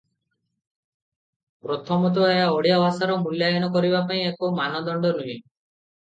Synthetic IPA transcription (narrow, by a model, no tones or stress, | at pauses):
pɾɔt̪ʰɔmɔt̪̬ɔejaɔɽijabasaɾɔmuljajɔnɔkɔɾibapaĩekomanɔd̪ɔɳɖɔnuɦĩ